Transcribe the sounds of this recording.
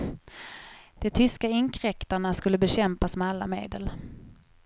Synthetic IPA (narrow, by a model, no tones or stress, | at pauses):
d̪̥ɛt̪ʰʏskaɪŋkʰɾɛkt̪aɳaskɵlːəbɛɕɛmpasmɛalːa̰mḛːd̪əl